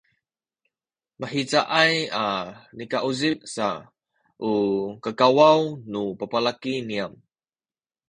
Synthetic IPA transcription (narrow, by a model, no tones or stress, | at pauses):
məħit͡saʔajanikaʔuzip̚sa | ʔukəkawawnupəpalakiniam